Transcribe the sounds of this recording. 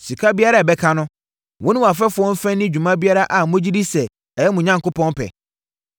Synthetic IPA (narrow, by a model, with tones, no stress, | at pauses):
si˨kʰa˦bi˦a˦ɾa˦˨bɛ˦kʰã˦nʊ̃˦ | wʊ̃˦nʊ̃˦wa˨fɛ˦fʊ˨ɔ̃˦m̩˦fɛ̃˦nːɪ̃˦d͡ʑᶣu˨mã˦bi˦a˦ɾa˦ʔa˨mʊ̃˦d͡ʑi˦di˦sɛ˨ | ɛ˨jɛ˦mʊ̃˨ɲã˦ŋko˦pʰɔ̃˦npʰɛ̰˨